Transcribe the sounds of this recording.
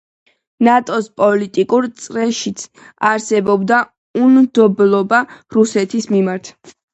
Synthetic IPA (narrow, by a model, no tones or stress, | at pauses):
nat̪ʼɔspʼɔlit̪ʼikʼuɾt̪sʼɾɛʃit̪sʰ | aɾsɛbɔbd̪a | umd̪ɔblˠɔbaɾusɛt̪ʰismimaɾt̪ʰ